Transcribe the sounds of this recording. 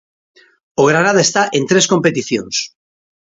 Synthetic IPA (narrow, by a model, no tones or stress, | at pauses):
oɣ̞ɾanað̞aest̪aʔent̪ɾesko̞mpet̪iθjo̰ns